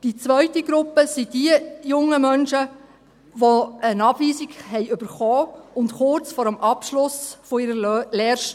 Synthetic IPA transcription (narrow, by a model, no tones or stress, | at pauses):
d̥it͡svœʏtiɡɾʊpːəsidiəjʊŋəmœnʃə | ʋoənɑːbviːziɡhɛɪʏb̥əɾχɔːʊntχʊrt͡sfɔːɾəmʔɑpʃlʊsfɔɪɾəleːɾʃt